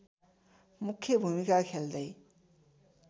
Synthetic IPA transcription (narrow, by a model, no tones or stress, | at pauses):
mukʰːjʌbʱumikakʰeld̪ʌj